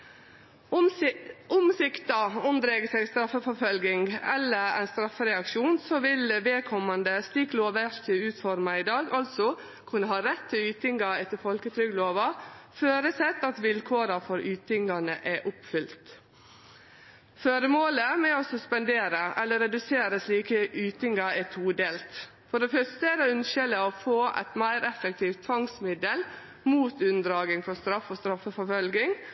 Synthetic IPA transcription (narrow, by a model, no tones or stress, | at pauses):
ʊmsɪkt̪ɑʊmd̪ɾɛɡəsɛɪɡst̪ɾɑfːəfɔfœlɡɪŋɡɛlːəɾæ̰ɪnst̪ɾɑfːəɾɛɑkʃuːnsɔʋɪlʋeːkʰɔmːɑnd̪əst̪ikloːʋəɾt̪ʰəʉːt̪fɔɾmɑɪd̪ɑːɡɑlt̪sɔ | kʰʉnːəɦɑːɾɛt̪ʰːɪlyːt̪ɪŋɡɑɛt̪əfɔlkət̪ʰɾʏɡloːʋɑføːɾəsɛt̪ːɑt̪ʋɪlkʰoːɾɑfɔɾyːt̪ɪŋɑnə̰ʔɛʔʊpfʏlt̪ | føːɾəmoːləmɛɔsɔspɛnd̪eːɾəʔɛlːəɾːɛd̪ʉseːɾəsliːkəʔʉːt̪ɪŋɑɛt̪ʰuːd̪eːlt̪ | fɔɖɛfœst̪əɛɾɛʉnʃələɔfoːʔɛ̰t̪mæɪɾɛfək̚t̪ʰiːʋt̪ʰːʋɑŋsmɪd̪əl | muːt̪ʉnd̪ɾɑːɡɪŋfɔst̪ɾɑfːɔst̪ɾɑfːəfɔɾfœlɡɪŋ